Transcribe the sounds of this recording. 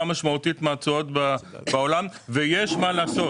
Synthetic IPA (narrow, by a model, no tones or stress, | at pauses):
amaʃmautitmaːt͡sootbabaolamvejeʃmalaːso̞